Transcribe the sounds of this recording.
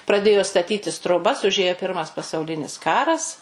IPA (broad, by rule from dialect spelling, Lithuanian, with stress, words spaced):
prɐˈdʲeːjoː stɐˈtʲiːtʲɪs troːˈbɐs ʊˈʒʲeːjoː ˈpʲɪrmɐs pɐsɐʊˈlʲɪnʲɪs ˈkɑːrɐs